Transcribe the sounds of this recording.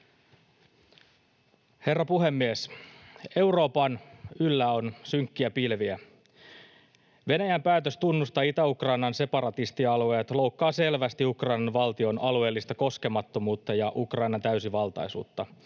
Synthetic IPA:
he̞rːɑpuɦe̞mːies | e̞wɾo̞ːpɑnylːæo̞nsyŋkːiæpilʋiæ | ʋe̞næjæmpæːt̪øst̪unːust̪ɑːit̪æukrɑinɑnse̞pɑɾɑt̪ist̪iɑlue̞ːt̪lo̞wkːɑːse̞lʋæst̪iukrɑjnɑnʋɑlt̪io̞nɑlue̞ːlːist̪ɑko̞ske̞mɑt̪ːo̞muːt̪ːɑjɑʔukrɑjnɑnt̪æysiʋɑlt̪ɑ̰jsṵːt̪ːɑ

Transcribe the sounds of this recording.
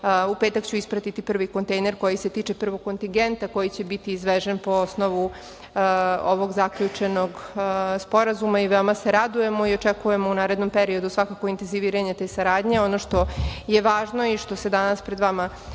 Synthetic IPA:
upeːt̪akt͡ɕuispɾat̪it̪ipr̩ʋiko̞nt̪e̞jneɾko̞jiset̪iːt͡ʃe̞pr̩ʋo̞ɡko̞nt̪iŋɡe̞nt̪ako̞jit͡ɕe̞bit̪iːzʋeʒenpo̞osno̞ʋu | o̞ʋo̞ɡzakʎut͡ʂe̞no̞ɡspo̞ɾazumaiʋeomaseɾad̪uje̞mo̞io̞t͡ʃekuje̞mo̞unaːɾe̞d̪nompeɾio̞d̪usʋakako̞int̪e̞nziʋiːɾaɲe̞t̪e̞ːsaɾaːd̪ɲe̞o̞noʃt̪o̞je̞ʋaːʒno̞iʃt̪o̞se̞d̪anaspɾed̪ʋama

